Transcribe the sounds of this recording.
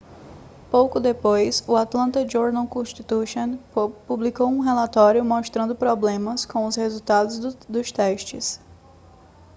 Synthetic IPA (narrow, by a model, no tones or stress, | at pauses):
powkʊd̪epojsʊat̪lɐ̃nt̪ɐd͡ʒoɾd̪ɐ̃wkõʃt̪it̪uʃõnpublikowũɦelat̪ɔɾjʊmoʃt̪ɾɐ̃nd̪ʊpɾɔblẽmɐskõw̃ʊshezuwt̪ad̪ʊzd̪ʊst̪ɛʃt͡ʃɪs